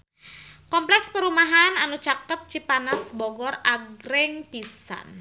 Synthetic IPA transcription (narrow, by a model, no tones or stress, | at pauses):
kɔmplɛkspəɾumaɦananut͡ʃakət̪̚t͡ʃipanasbɔɡɔraɡɾɛŋpisa̰n